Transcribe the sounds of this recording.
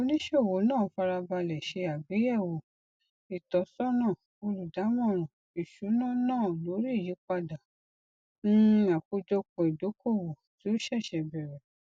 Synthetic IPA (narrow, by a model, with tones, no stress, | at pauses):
o˧˦nĩ˦ʃe˦˨wo˨˦nãː˦˨fa˧ɾa˧ba˧lɛ˨ʃe˧a˨be˨˦jɛ˦˨wo˨ | i˨tɔ˨˦sɔ˦nãː˦˨ | o˧lu˨da˨˦mɔ̃˦˨ɾ̃ɔ̃˨ | i˨ʃu˨˦nã˦˨nãː˦˨lo˨˦ɾi˦i˦˨ji˨˦k͡pa˧da˨ | ñ̩˦a˨ko˧d͡ʒɔ˧kɔ̃˧˨i˨do˨˦ko˦˨wo˨ti˨˦o˦ʃɛ˦˨ʃɛ˧˨bɛ˨ɾɛ˨